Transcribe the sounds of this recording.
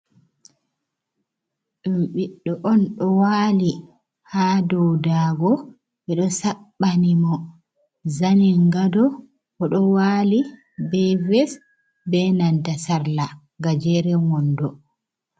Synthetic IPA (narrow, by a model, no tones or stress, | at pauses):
ɗumɓiɗːɔʔɔnɗɔwaːli | hadɔwdaːɡɔ | ɓɛɗɔsaɓːanimɔ | zanɛŋɡadɔ | kɔɗɔwaːli | bɛvɛs | bɛnandasaɾla | ɡad͡ʒɛɾɛwɔndɔ